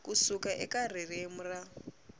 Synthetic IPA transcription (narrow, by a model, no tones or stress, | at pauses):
kusukaʔɛkar̤irem̩ra